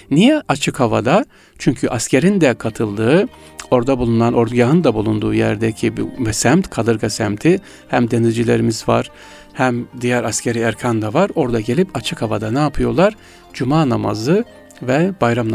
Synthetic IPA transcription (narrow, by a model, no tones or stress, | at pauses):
nijɛʔat͡ʃʰɯkhava̰d̪a | t͡ʃʰyɲcʰyʔascʰe̞ɾind̪ɛkʰat̪ʰɯlˠd̪ɯɯ | o̞ɾd̪abulˠunanʔo̞ɾd̪uɟaɦɯnd̪abulˠund̪uːjæɾd̪ɛcʰibḭmɛsæmt̪kʰalˠɯɾɡasæmt̪ʰi | hæmd̪e̞nizd͡ʒilʲe̞ɾimizva̰ɾ̥ | hæmd̪ijæɾascʰe̞ɾiæɾcʰand̪avaɾo̞ɾd̪aɟe̞lʲipat͡ʃʰɯkhavad̪anaːpʰɯjo̞lˠaɾ | d͡ʒumaːnama̰zɯ | vɛbajɾamn